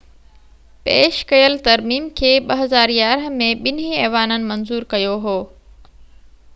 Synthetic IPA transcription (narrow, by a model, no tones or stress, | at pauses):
peːʃkɐjəlt̪ɐɾmiːmkʰeːɓɐɦɐzaːɾjaːɾɦə̆mẽɓɪn̤iɛːʋaːnənɪ̆mɐnzuːɾkɐjoɦoː